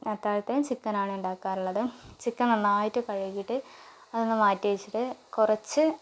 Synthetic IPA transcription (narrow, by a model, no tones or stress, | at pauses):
ɐt̪ːaːlɐt̪ːejumt͡ɕikːɐnaːɳɨuɳɖaːkːaːɾuɭːɐðɨt͡ɕikːɐnɐnːaːjitːukɐɻɐjijiʈːɨ | ɐðonːɨmaːtːiit͡ɕːiʈːɨkurɐt͡ɕːɨ